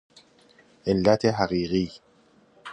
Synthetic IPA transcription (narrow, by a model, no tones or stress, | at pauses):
ʔelːæt̪ʰeɦaɣiːɣiː